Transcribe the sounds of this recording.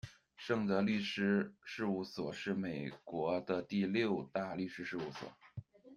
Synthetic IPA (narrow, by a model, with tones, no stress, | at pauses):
ʂɤ˥˧˩ŋt͡sə˥˧ly˥˩ʂɻ̩˥ʂɻ̩˥˧u˥˩swɔ˨˩ʂɻ̩˥˩me˨˩ɪkwɔ˧˥d̪ə˧t̪i˥˧ljo˥˧ʊt̪a˥˧ly˥˩ʂɻ̩˧˥ʂɻ̩˥˧u˥˩swɔ̰˨˩˦